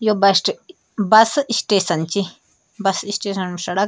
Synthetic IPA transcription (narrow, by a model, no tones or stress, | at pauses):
jobɐʈ | bɐsɨisʈeːsɐnt͡ʃi | bɐsisʈeːsɐnmsɐɽɐ